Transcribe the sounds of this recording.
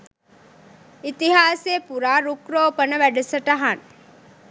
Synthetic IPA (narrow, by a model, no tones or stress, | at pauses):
it̪iɦaːseːpuɾaːɾukɾoːpənəʋæɖusəʈəɦan